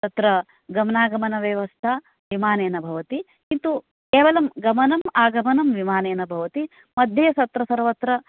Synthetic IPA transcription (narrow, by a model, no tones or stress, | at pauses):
t̪ɐt̪ɾɐ | ɡɐmɐnaːɡɐmɐnɐʋeːʋɐst̪ʰa | ʋimaːneːnɐbʱɐʋɐt̪i | kint̪u | keːʋɐlɐmɡɐmɐnɐmaːɡɐmɐnɐmʋimaːneːnɐbʱɐʋɐt̪i | mɐd̪ʱjɐsɐt̪ɾɐsɐɾʋɐt̪ɾɐ